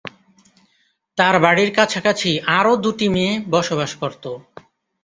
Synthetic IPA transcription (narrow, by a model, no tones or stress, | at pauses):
t̪aɾbaɽiɾkat͡ɕʰakat͡ɕʰiʔaɾod̪uʈimeːbɔʃoβaʃkoɾt̪o